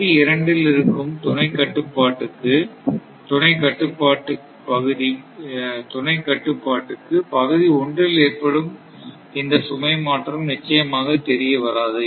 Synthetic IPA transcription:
iɪɾɐɳɖɪlɪɾɯkːɯmt̪ʊɳɐɪkːɐʈːɯpːaːʈːɯkːɯ | t̪ʊnɐɪkːɐʈːɯpːaːʈːɯ | pɐɣɯði | t̪ʊnɐɪkːɐʈːɯpːaːʈːɯkːɯpɐɣɯðiɔɳdrɪleːrpɐɽɯm | ɪnd̪ɐsʊmɐɪmaːʈrɐmnɪt͡ʃːɐjɐmaːɣɐt̪ɛɾɪjɐʋɐɾaːðɯ

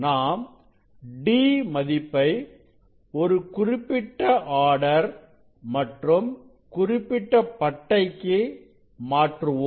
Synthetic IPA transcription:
naːm | ɖiːmɐðɪpːɐɪ | ɔɾɯkʊrɪpːɪʈːɐʔaːɽɐɾ | mɐʈrɯm | kʊrɪpːɪʈːɐpɐʈːɐɪkːe | maːʈrɯʋoː

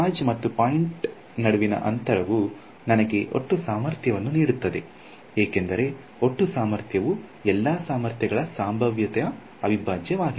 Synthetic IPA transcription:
aːd͡ʒmɐt̪ːupaːjiɳʈ | nɐɽuʋinɐ̰ʔɐ̰nt̪ɐɾɐʋu | nɐnɐɡe̞ʔo̞̰ʈːusaːmɐɾt̪ʰjɐʋɐnːuniːɽut̪ːɐd̪e̞ | eːke̞nd̪ɐɾe̞ | o̞ʈːusaːmɐɾt̪ʰjɐʋuɛlːaːsaːmɐɾt̪jɐɡɐɭɐsaːmbʱɐʋjɐt̪ɛjɐ | ɐʋibʱaːd͡ʒjɐʋaːɡi

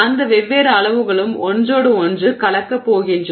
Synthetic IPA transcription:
ɐnd̪ɐʋɛʋːeːɾɐːɭɐʋɯɣɐɭɯmɔndroːɽɯɔndrɯkɐɭɐkːɐpːoːɣɪndr

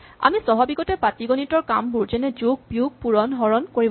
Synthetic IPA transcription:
a̰misɔɦɔbiɡɔtɛpatiɡɔnitɔɹkambuɹzɛnɛd͡ʒuɡ̚bjuɡ̚puɹɔnɦɔɹɔnkoɹib

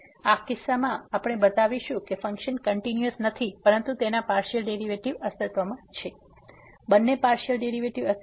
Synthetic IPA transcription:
akɪsːamãapɽ̃ebət̪aʋiʃũkefə̃ŋkʃənkəɳʈinjəsnət̪ʰipəɾənt̪ut̪enapaɾʃəlɖeɾiʋeʈiʋəst̪ət̪ʋəmãt͡ʃʰe | bənːepaɾʃəlɖeɾiʋeʈiʋə

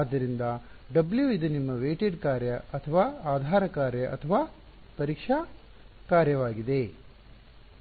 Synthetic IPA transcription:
aːd̪ːɐɾind̪ɐ | ɖɐbljuid̪unimːɐʋeːʈeɖkaːɾjɐʔɐt̪ʰɐʋaːaːd̪ʱaːɾɐkaːɾjɐʔɐ̰t̪ʰɐʋaː | pɐɾiːkʂɐ | kaːɾjɐʋaːɡid̪e̞

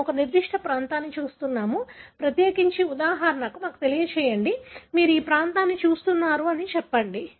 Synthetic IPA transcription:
ɔkɐniɾd̪iʂʈʰɐpɾaːnt̪aːnːit͡ʃuːst̪unːaːmupɾɐt̪jeːkiɲt͡ʃiud̪aːɦaːɾɐnɐkumaːku̥t̪elijɐt͡ʃɛːjɐɳɖimiːɾuiːpɾaːnt̪aːnːit͡ʃuːst̪unːaːɾuɐnit͡ʃɛpːɐɳɖi

